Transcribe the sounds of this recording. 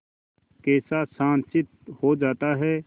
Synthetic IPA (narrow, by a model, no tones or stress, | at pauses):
kɛːsasãːnt͡ʃɪt̪̚hod͡ʒaːt̪aɦɛː